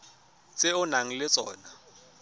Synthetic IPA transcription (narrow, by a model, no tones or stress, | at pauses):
t͡sʼɪʊnaŋ̩lɪt͡sʼɔːna